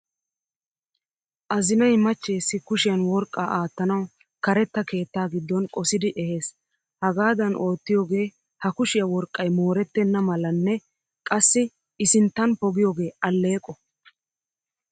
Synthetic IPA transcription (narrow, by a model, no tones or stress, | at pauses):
ʔɐzɪnɐjmɐt͡ʃːe̞ːsːɪkʊʃɪjɐnwɔɾkʼːaːʔaːt̪ːɐnɐw | kɐɾɛt̪ːɐke̞ːt̪ːaːɡɪd̪ːɔnkʼɔsɪd̪ɪʔɛhe̞ːs | hɐɡaːd̪ɐnʔo̞ːt̪ːɪjoːɡe̞ː | hɐkʊʃɪjɐwɔɾkʼːɐjmo̞ːɾɛt̪ːɛnːɐmɐlɐnːɛ | kʼɐsːɪ | ɪsɪnt̪ːɐnpɔɡɪjoːɡe̞ːɐlːe̞ːkʼːɔ